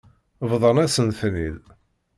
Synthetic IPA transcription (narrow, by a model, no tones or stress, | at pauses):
vðˤənæsənθnið